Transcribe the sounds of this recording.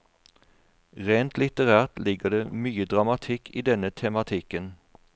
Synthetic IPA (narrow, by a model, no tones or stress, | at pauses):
ʁeːnt̪lɪt̪əʁæːʁt̪lɪɡəd̪emyːəd̪ʁɑmɑt̪ʰɪkʰːiːd̪ɛnət̪ʰɛmɑt̪ʰɪkən